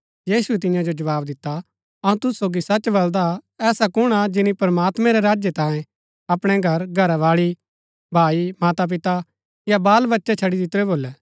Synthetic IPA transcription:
jiːsuɛt̪ɪ̃jãd͡ʒod͡ʒɐʋaːbd̪ɪt̪ːa | ɐũt̪ʊsːoːɡisɐt͡ʃbɐld̪aɛːsakʊɽ̃ad͡ʒɪnipɾɐmaːt̪mɛ̃ɾɛɾaːd͡ʒjet̪ãːjẽ | ɐpɽ̃ɛɡʱɐɾɡʱɐɾaʋaːɭi | bʱaːimaːt̪ap̬ɪt̪a | jabaːlbɐtːʃɛt͡ʃʰɐɽid̪ɪt̪ɾɛboːlɛː

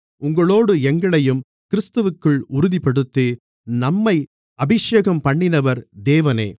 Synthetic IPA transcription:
ʊŋɡɐɭoːɽɯɛŋɡɐɭɐjɯm | kɪɾɪst̪ɯʋɯkːɯɭʊɾʊðipɐɽɯt̪ːi | nɐmːɐɪ | ɐbɪʂeːɣɐmpɐɳːɪnɐʋɐɾd̪eːʋɐnḛː

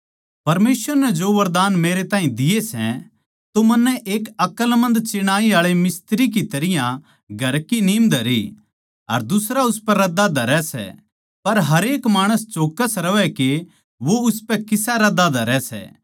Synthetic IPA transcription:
pɐɾmeːsʋəɾnɛd͡ʒoːʋɐɾd̪aːnmeːɾet̪aːɦĩd̪ɪjesɛ̰ | t̪omɐnːɛʔeːkɐkəlmɐ̃nd̪t͡ʃɪɽ̃aːiaːɭemɪst̪ɾik̬it̪ɐɾɪjã | ɡʱɐɾkiniːmd̪ʱɐɾi | ɐ̰ɾd̪ʊsɾaʊspɛɾɐd̪ad̪ʱɐɾɛsɛ̰ | pɐɾɦɐɾeːkmaːɽ̃əst͡ʃoːkəsɾɐʋɛke | ʋoʊspɛkɪsaɾɐd̪ad̪ʱɐɾɛsɛ̰ː

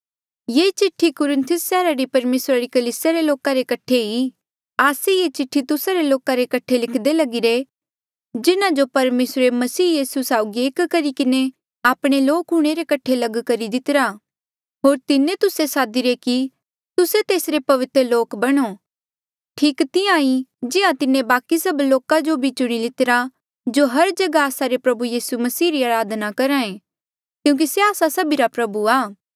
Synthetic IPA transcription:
jeːt͡ʃɪʈʰːikʊɾɪ̃nt̪ʰʊsːɛːɾaɾipɐɾmeːsɾaɾikɐliːsjaɾeloːkaɾekɐʈʰei | aːsejet͡ʃɪʈʰːit̪ʊsaɾeloːkaɾekɐʈʰelɪkʰd̪elɐɡiɾe | d͡ʒɪnãd͡ʒopɐɾmeːsɾemɐsiːjiːsusaːʊɡieːkkɐɾikɪne | aːpɽ̃eloːkɦuɽ̃eɾekɐʈʰelɐɡkɐɾid̪ɪt̪ɪɾa | ɦoːɾt̪ɪnẽt̪ʊsesaːd̪iɾeki | t̪ʊset̪eːsɾepɐʋɪt̪ɾəloːkbɐɽ̃o | ʈʰiːkt̪ɪãːid͡ʒɪãt̪ɪnẽbaːkisɐbloːkad͡ʒobʱit͡ʃʊɽ̃ilɪt̪ɪɾa | d͡ʒoɦɐɾd͡ʒɐɡaaːsaɾepɾɐbujiːsumɐsiːɾiaːɾaːd̪nakɐɾãẽ | kjũːk̬iseaːsasɐbiɾapɾɐbuaː

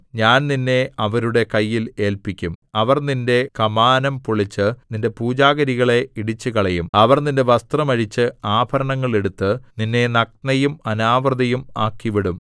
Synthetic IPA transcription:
ɲaːnninːe̞ɐʋɐɾuɽe̞kɐjːile̞ːlpikʲːumɐʋɐrninde̞kɐmaːnɐmpuɭit͡ɕːɨninde̞puːd͡ʑaːɣɐɾiɣɐɭe̞iɽit͡ɕːɨkɐɭɐjumɐʋɐrninde̞ʋɐst̪rɐmɐɻit͡ɕːɨaːbʱɐɾɐɳɐŋːɐɭe̞ɽut̪ːɨninːe̞nɐk̚nɐjumɐnaːʋrɐd̪ɐjumaːkːiʋiɽum

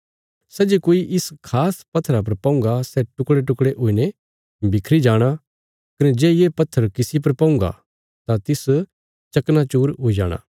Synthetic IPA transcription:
sɛːd͡ʒekoːiʔɪskʰaːspɐt̪ʰːɾap̬ɐɾpɐ̃ʊ̃ŋɡasɛʈʊkɽeʈʊkɽeʔʊine | bɪkʰɾid͡ʒaːɽ̃a | kɐnɛd͡ʒɛːjeːpɐt̪ʰːəɾkɪsip̬ɐɾpɐ̃ʊ̃ŋɡa̰ | t̪at̪ɪs | t͡ʃɐknat͡ʃuːɾɦʊid͡ʒa̰ːɽ̃ã̰ː

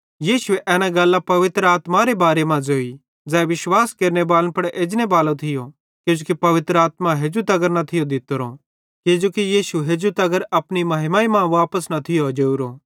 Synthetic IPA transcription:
jiːʃʊeʔɛːnãɡɐlːapɐʋɪt̪ɾəaːt̪maɾebaːɾemãd͡zoːi | d͡zɛːʋɪʃwaːskeːɾnebaːlənpɐɽʔeːd͡ʒnebaːlõt̪ʰɪjo | ked͡ʒoːkipɐʋɪt̪ɾəaːt̪mãɦeːd͡ʒut̪ɐɡəɾnɐt̪ʰɪjod̪ɪt̪oɾo | ked͡ʒoːkijiːʃuɦeːd͡ʒut̪ɐɡəɾɐpnimɐɦɪmaːimãʋaːpəsnɐt̪ʰɪjod͡ʒeːuɾoː

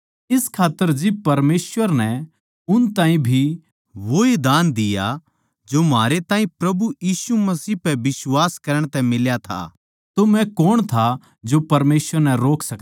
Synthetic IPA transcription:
ɪskʰaːt̪ːəɾd͡ʒɪb̚pɐɾmeːsʋəɾnɛ | ʊnt̪ãːĩbʱi | ʋoed̪aːnd̪ɪja̰ | d͡ʒomaːɾet̪ãːɦĩpɾɐbujiːsumɐsiːpɛʋɪswaːskɐɾəɽ̃t̪ɛ̃mɪljat̪ʰa̰ | t̪omɛ̃koːɽ̃t̪ʰa | d͡ʒopɐɾmeːsʋəɾnɛɾoːkʰsɐk

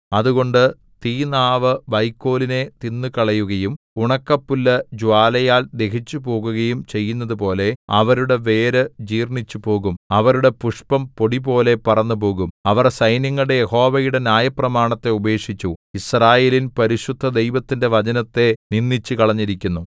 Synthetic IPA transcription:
ɐðuɣo̞ɳɖɨ | t̪iːnaːʋɨʋɐjkːo̞ːline̞t̪inːɨkɐɭɐjuɣɐjum | uɳɐkːɐpːulːɐd͡ʑuwaːlɐjaːld̪e̞kit͡ɕːupo̞ːɣuɣɐjumt͡ɕe̞jːunːɐðupo̞ːle̞ɐ̰ʋɐɾuɽe̞ʋe̞ːɾɨd͡ʑiːrɳit͡ɕːupo̞ːɣumɐʋɐɾuɽe̞puʂpɐmpo̞ɽipo̞ːle̞pɐrɐnːup̬o̞ːɣumɐʋɐrsɐjnjɐŋːɐɭɽejeho̞ːʋɐjuɽe̞nʲjaːjɐprɐmaːɳɐt̪ːe̞ube̞ːʂit͡ɕːuisraːje̞ːlinpɐɾiɕud̪ʱːɐd̪e̞jʋɐt̪ːinde̞ʋɐd͡ʑɐnɐt̪ːe̞ninːit͡ɕːukɐɭɐɲːiɾikʲːunːu

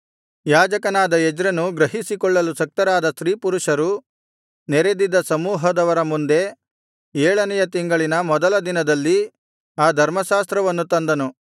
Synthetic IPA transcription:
jaːd͡ʒɐkɐnaːd̪ɐɛd͡ʒɾɐnuɡɾɐɦisikɔɭːɐlusɐk̚t̪ɐɾaːd̪ɐsɾiːpuɾuʂɐɾu | nɛɾe̞d̪id̪ːɐsɐmuːɦɐd̪ɐʋɐɾɐmund̪e̞ | ɛːɭɐnɛjɐt̪iŋɡɐɭinɐmɔd̪ɐlɐd̪inɐd̪ɐlːi | aːd̪ʱɐɾmɐʃaːst̪ɾɐʋɐnːut̪ɐnd̪ɐnu

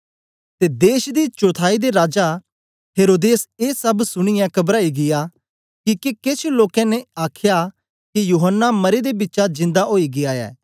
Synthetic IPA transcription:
t̪ed̪eːʃd̪it͡ʃoːt̪ʰaːid̪eɾaːd͡ʒa | ɦeːɾoːd̪eːseːsɐbsʊɽ̃ɪjãkɐbɾaːiɡɪja | kikekeːt͡ʃʰloːkɛ̃neaːkʰja | kijuːɦənːamɐɾed̪ebɪtːʃad͡ʒɪ̃nd̪aɦoːiɡɪaːɛ̰ː

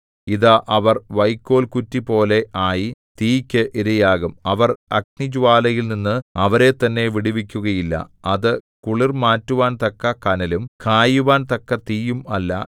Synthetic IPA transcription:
iðɐʔɐʋɐrʋɐjkːo̞ːlkutːipo̞ːle̞ʔaːjit̪iːkʲːɨʔiɾɐjaːɣumɐʋɐrɐk̚nid͡ʑuʋaːlɐjilninːɨɐʋɐɾe̞t̪ɐnːe̞ʋiɽiʋikʲːuɣɐjilːɐ̰ɐðɨ | kuɭirmaːtːuʋaːnt̪ɐkːɐkɐnɐlumkaːjuʋaːnt̪ɐkːɐt̪iːjumɐlːɐ̰

